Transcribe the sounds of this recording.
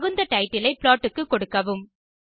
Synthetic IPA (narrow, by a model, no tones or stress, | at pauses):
ɣɯnd̪ɐʈɐɪʈːɪlɐɪpɭaːʈːɯkːɯkːɔɽɯkːɐʋɯm